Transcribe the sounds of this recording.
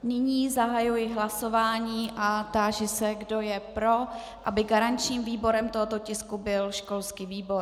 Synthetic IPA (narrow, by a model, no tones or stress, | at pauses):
nɪɲiːzaɦajujɪɦlaso̞vaːɲiːʔat̪aːʒɪsɛɡdo̞jɛpɾo̞ | ʔabɪɡaɾaɲt͡ʃɲiːmviːbo̞ɾɛmt̪oɦot̪o̞cɪskubɪlʃko̞lskiːviːbo̞ɾ